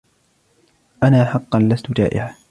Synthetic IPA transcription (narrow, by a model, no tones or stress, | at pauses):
ʔanaːħɑqːɑnlast̪ʊd͡ʒa̰ːʔɪ̰ʕaː